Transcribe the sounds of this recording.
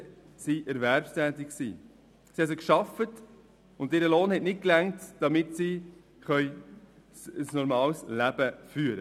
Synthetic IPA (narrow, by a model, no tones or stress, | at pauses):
siʔɛɾvæɾpstæːtɪkksḭː | siɛs̬ɪkʃɑfət | ʊndtɪɾəloːnhɛtnɪt̚klæŋtd̥ɑmɪtsi | χœʏ | səsnɔɾmɑːlslæb̥əfyːəɾə